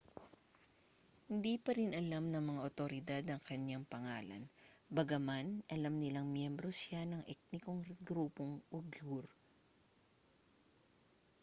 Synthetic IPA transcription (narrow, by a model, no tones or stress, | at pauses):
hɪnd̪ipɐɾɪnʔɐlamnɐŋmɐŋaʔot̪oɾɪd̪ad̪ɐŋkɐɲjaŋpɐŋaːlɐ̰nbɐɡɐmanʔɐlamnɪlaŋmjɛmbɾo̞sjanɐŋʔɛk̪̚nɪkoŋɾɡɾuːpoŋʔʊbjuɾ